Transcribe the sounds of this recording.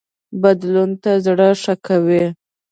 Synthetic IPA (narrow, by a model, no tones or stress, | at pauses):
bad̪lunt̪azɽəʂakawi